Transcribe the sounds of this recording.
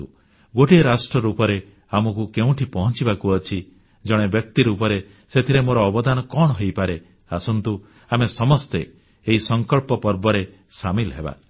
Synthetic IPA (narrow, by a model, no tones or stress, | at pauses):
u | ɡoʈieɾasʈɾɔɾupɔɾe | amɔkukeũʈʰipɔɦɔnt͡ʃibakuɔt͡ʃʰi | d͡ʒɔɽ̃ebjɔk̚t̪iɾupɔɾe | set̪ʰiɾemoɾɔːbɔd̪anɔkɔɳ̃ɔɦojpaɾe | asɔnt̪u | amesɔmɔst̪eː | ɦisɔŋkɔɭpɔpɔɾbɔɾe | samilɦeba̰